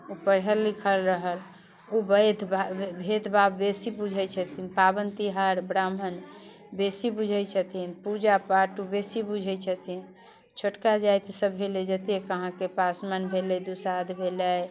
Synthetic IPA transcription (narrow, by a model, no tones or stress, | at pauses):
upəɽɦəlːikʰəlɾəɦəl | ubəd̪ʱbbʱed̪ʱbabːesibud͡ʒʱət͡ʃʰət̪ʰinpabənt̪iɦaɾbɾamən | besibud͡ʒʱəjt͡ʃʰət̪ʰinpud͡ʒapaʈubesibud͡ʒʱət͡ʃʰət̪ʰin | t͡ʃʰoʈkad͡ʒajt̪səbʱɦeled͡ʒət̪ekəɦãkepasmanbʱelɛjd̪usad̪bʱeləj